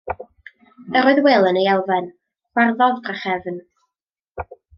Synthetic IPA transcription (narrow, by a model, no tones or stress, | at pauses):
əɾoːɨðwelˠənəjɛlˠvɛn | χwarðɔðpʰaχɛvn